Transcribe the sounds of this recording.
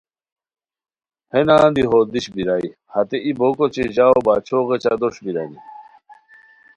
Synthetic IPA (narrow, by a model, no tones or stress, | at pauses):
henaːd̪iɦod̪iɕbiɾaːi | hɐt̪eʔibokot͡ɕeʑaːobat͡ɕʰoɣet͡ɕad̪oɕbiɾani